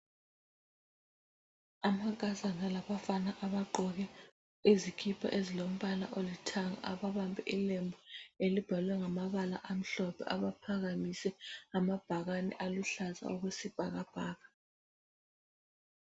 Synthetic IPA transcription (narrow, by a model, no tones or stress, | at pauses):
amak̬ʼazanalaβafanaʔaβaǃɔɣɛ | izikʰipʰa̰ʔezilom̩βala̰ʔolitʰaŋa̰ʔaβaβambʱɛ̰ʔilembʱɔelib̥ʱalwɛŋamaβala̰ʔam̩ɬɔpʰɛ̰ʔaβapʰaɣamisɛamab̥ʱaɣanɛ̰ʔaluɬaza̰uɣwesib̥ʱaɣab̥ʱaːɣa